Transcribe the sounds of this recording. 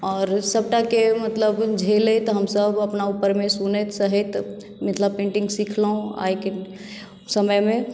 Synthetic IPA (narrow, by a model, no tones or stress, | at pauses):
ɔːɾsəb̚ʈakemət̪ləbd͡ʒʱelet̪ɦəmsəbʱəpnaupəɾmesunet̪səɦit̪ | mət̪ləbpẽɳʈĩŋɡsikʰləɦũa̰jke | səməjme